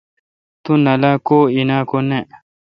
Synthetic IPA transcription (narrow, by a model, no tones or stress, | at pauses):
t̪ũnɐlaːkoːinaːkone